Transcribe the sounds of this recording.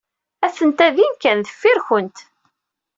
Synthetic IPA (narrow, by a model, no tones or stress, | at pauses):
æθənt̪æðinkːænðəfːiɾçənt̪